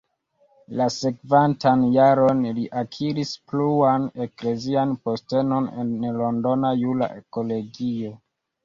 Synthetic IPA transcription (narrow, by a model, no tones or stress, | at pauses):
lase̞kvantanjaɾo̞nliʔakʰiɾispluane̞kle̞zianpo̞ste̞no̞nḛnlo̞ndo̞najula̰ʔeko̞lo̞ɡio̞